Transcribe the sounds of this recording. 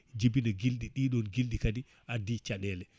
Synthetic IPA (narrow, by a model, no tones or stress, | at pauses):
d͡ʒibinaɡilɗiɗiɗɔnɡildikadi | ʔadit͡ʃaɗɛlɛ